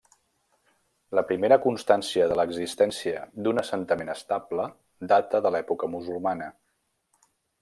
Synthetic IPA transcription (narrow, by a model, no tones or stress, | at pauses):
ləpɾimeɾəkunst̪ansiəðələɡzist̪ɛnsiəd̪unəsənt̪əmenəst̪ablə | d̪at̪əðəlɛpukəmuzulˠmanə